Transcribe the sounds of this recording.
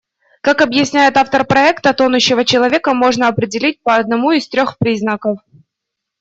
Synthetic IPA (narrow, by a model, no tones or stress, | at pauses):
kakɐbjɪsʲnʲæjɪt̪aft̪ərpɾɐɛkt̪ət̪onʊɕːɪvət͡ɕɪlˠɐvʲekəmo̞ʐnəɐpɾʲɪdʲɪlʲit̚ʲpəːd̪̚nɐmuɪst̪ɾʲo̞xpɾʲiznəkəf